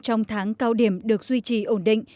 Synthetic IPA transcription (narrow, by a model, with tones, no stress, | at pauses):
t͡ɕɔ˧wŋ͡mt̪ʰaː˨˦ŋkaː˧wɗi˧˩əmɗɨ˨˩ək̚zwi˧t͡ɕi˧˩ʔo˧˩nɗḭ̈˧˨ŋ